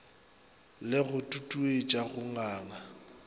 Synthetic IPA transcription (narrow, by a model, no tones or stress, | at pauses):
lɪɣʊtʼutʼuet͡ʃʼaɣʊŋaːŋa